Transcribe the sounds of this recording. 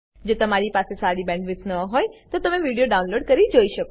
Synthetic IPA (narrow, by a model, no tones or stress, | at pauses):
d͡ʒot̪əmaɾipasesaɽibɛ̃ɳɖʋɪt̪nəɦojt̪ot̪əmeʋiɽijoɖaunloɖkəɾid͡ʒoiʃəko